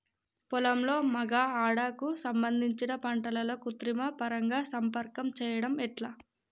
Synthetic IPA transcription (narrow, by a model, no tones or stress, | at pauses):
pulɐmlo̞ːmɐɡaːaːɽaːkusɐmbɐnd̪ʱiɲt͡ʃinɐpɐɳʈɐlɐlo̞ːkut̪ɾimɐpɐɾɐŋɡaːsɐmpɐɾkɐmt͡ʃɛːjɐɽɐmɛʈlaː